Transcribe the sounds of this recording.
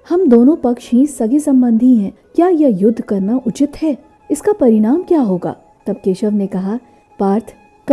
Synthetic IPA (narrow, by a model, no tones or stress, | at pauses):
hɐmd̪oːnõpɐkʃɦĩsɐɡisɐ̃mbə̃nd̪ʱiɦɛ̃ː | kjaːjɐjʊd̪ʱːkɐɾnaʔʊt͡ʃɪt̪ɦɛː | ɪskapɐɾɪɽ̃aːmkjaːɦoːɡa̰ː | t̪ɐb̚keːʃəʋnekɐɦa | paːɾt̪ʰ | k